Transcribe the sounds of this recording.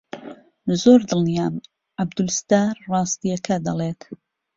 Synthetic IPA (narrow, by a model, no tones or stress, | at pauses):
zoːɾd̪ɨlnijaːm | ʕabd̪ulst̪aːɾrɑːst̪ijɐkʰɐd̪ɐleːt̪